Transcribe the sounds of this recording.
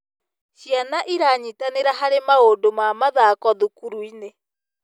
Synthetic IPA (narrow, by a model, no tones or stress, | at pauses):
ʃianaʔiɾaɲitaneɾaɦaɾemaondomamaðakɔðukuɾuine